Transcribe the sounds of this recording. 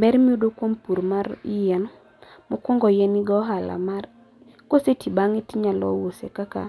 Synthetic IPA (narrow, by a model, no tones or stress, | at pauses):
bɛɾmiudokwompuɾmaɾjɛn | mɔkʷɔŋɡɔjɛniɡɔɦala̰mar | kosetibaŋitiɲalɔ̰wosḛkaka̰